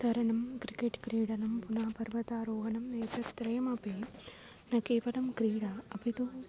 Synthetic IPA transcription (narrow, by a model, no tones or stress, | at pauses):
t̪ɐɾɐɳɐmkɾikːeʈkɾiːɽɐnɐmpunaːpɐɾʋɐt̪aːɾoːɦɐnɐmeːt̪ɐt̪ɾɐjɐmɐpe | nɐkiːpɐnɐmkɾiːɽɐɐbʱit̪u